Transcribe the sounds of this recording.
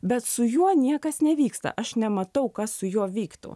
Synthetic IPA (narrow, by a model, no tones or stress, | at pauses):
bʲɛt̪sʊjuɔnʲiɛkɐsnʲɛʋʲiːkst̪ɐ̰ʔɐʃnʲɛmɐt̪ɐʊkɐssʊjuɔʋʲiːkt̪ʊ̰